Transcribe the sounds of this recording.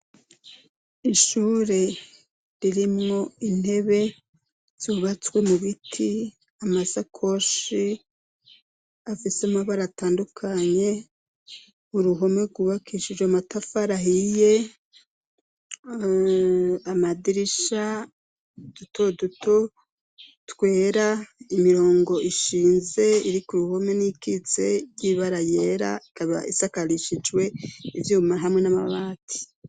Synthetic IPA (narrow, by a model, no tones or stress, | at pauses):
iʃuɾe̞ | ɾiɾimŋo̞in̥he̞βe̞ | z̥oβat͡swe̞muβitʰi | amasakʰoʃi | afisemaβaɾataːndukʰaɲe̞ | uɾuɦomeɡuβakʰiʃid͡ʒwamatafaɾaɦije | amadiɾiʃa | d̥utoduto | twe̞ːɾaimiɾo̞ːŋɡo̞ʔiʃiːnze̞iɾikuɾuho̞me̞nikit͡se̞̰jiβaɾajeːɾa̰ikaβa̰ḭsakaɾiʃid͡ʒwe̞ivjuːmaɾɦamŋe̞nama̰βaːtʰi̥